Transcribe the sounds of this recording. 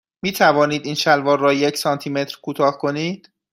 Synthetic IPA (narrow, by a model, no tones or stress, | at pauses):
miːt̪ʰævɒːniːd̪iːnʃælvɒːɾːɒːjecʰsɒːnt̪ʰiːme̞t̪ʰɾkʰut̪ʰɒːhkʰo̞niːd̪̥